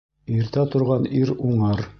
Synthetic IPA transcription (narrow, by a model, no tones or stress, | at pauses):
iɾt̪æt̪ŏɾʁɑniɾuɴɤɾ